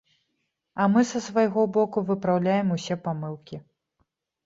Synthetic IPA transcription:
ɐmɨsɐsvajɣɔbɔkuvɨpɾawlʲajɛmusʲɛpamɨlˠkʲi

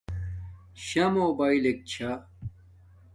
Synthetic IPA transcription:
ɕɐmoːbaːilek̚t͡ɕʰa

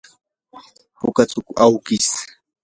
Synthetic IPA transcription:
pʊkat͡sʊkawkɪs

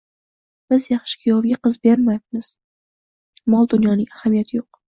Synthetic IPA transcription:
b̥ɪzjɑχʃɪ̥kʲʰjɒvɡʲaqɨzbeɾmajbmɪz̥ | mɒlˠd̪ʊnjɒnɪŋahamijat̪ʰɪjoq

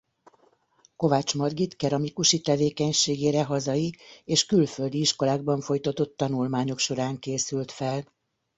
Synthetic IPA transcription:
ko̞vaːt͡ʃmɒrɡit̪kɛɾɒmikuʃit̪ɛveːkɛɲʃeːɡeːɾɛɦɒzɒjieːʃkylføld̪iiʃko̞laːɡ̚bɒɱfo̞jt̪ɒt̪o̞t̪ːɒnulmaːɲo̞kʃo̞ɾaːŋkeːsylt̪fɛl

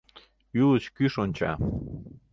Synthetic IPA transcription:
ylət͡ɕkyʃonʲt͡ɕɑ̰

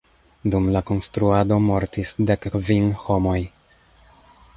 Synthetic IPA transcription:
dumlako̞nstɾuado̞mo̞ɾtisde̞kvinho̞mo̞j

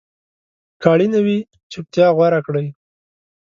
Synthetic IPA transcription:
kɑɽinawi | t͡ʃʊp̚t̪jɑɣwaɾakɽəj

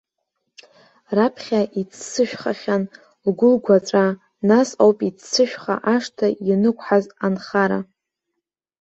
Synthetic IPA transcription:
rapʰχʲaʔit͡sʰsɨʃᶣχaχʲan | lɡʷʊlɡʷaʈ͡ʂʼa | nasawpʼit͡sʰt͡sʰɨʃᶣχa̰ʔaʂtʰajinɨkʷʰħazanχaɾa̰

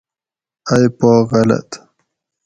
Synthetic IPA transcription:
ajpoːɣala̰t̪

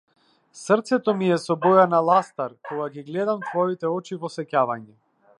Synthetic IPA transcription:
srt̪sɛt̪ɔmiɛsɔbɔjanalˠast̪aɾkɔɡaɡiɡlɛd̪amt̪vɔit̪ɛɔt͡ʃivɔsɛcavaɲɛ

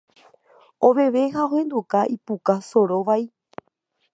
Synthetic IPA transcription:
õʋe̞ʋe̞ɦaõhẽ̞nd̪ukaʔipukaso̞ɾoʋai

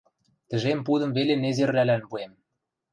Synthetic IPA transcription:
t̪ɘ̆ʒempud̪ə̆mvelenezerlælænβuem

